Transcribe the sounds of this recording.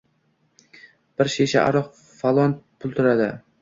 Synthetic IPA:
b̥ɪɾʃeʃa̰ʔa̰ɾɒq | falˠɒnpʰʊlˠt̪ʰʊɾad̪ɪ

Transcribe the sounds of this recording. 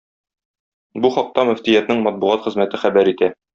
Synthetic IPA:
buχɒq̚t̪ɑmɘ̆ft̪ijæt̪nɘɴmɒt̪̚buʁɑt̪χɘ̆zmæt̪ɘχæbæɾit̪æ

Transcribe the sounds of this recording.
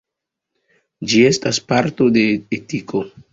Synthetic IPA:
d͡ʒie̞staspaɾto̞de̞ːtiko̞

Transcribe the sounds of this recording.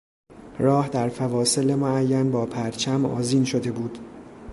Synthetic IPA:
ɾɒːhd̪æɾfævɒːse̞le̞moæjːænbɒːpʰæɾt͡ʃʰæmɒ̰ːziːnʃo̞d̪e̞buːd̪̥

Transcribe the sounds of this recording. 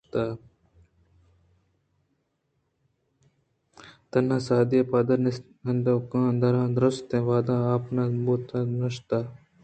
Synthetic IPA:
t̪aː | t̪ɐnːaːsaːd̪ijepaːd̪ɐɾn | ɐnd̪okãːnd̪ɐɾãːnd̪ɾʊst̪ẽːʋaːd̪aːaːpnaboːt̪anɐʃt̪aː

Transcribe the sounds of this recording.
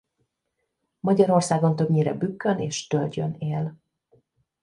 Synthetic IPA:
mɒɟɒɾo̞rsaːɡo̞nt̪ø̞bɲiɾɛ̰bykːøneːʃt̪ø̞lt͡ʃø̞̰neːl

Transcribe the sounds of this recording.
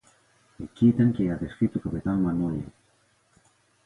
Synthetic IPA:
ekit̪eŋkeaðeskɾit̪ukapet̪anmanoɲe

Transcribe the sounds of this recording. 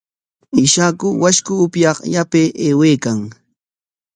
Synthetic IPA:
ɪʃakʊwaʃkʊːpjɑqjapeːʔeːweːkaŋ

